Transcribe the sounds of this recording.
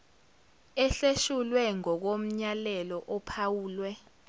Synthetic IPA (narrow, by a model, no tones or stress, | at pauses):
ɛɬeʃulwɛŋɔk̬om̩ɲalɛlɔʔɔpʰawuːlwɛ